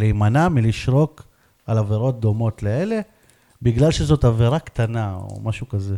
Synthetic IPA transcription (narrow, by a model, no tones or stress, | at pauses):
lejmanamiliʃʁo̞k | alaveʁo̞t̚d̪o̞mo̞tleele̞ | biɡlalʃezo̞taveʁakt̪anao̰maʃukaze